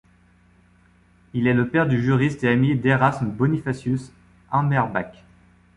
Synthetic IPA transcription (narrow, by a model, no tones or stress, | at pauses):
ilɛləpɛʁd̪yʒyʁist̪eamid̪eʁasmbɔnifasjys | ɑ̃mɛʁbak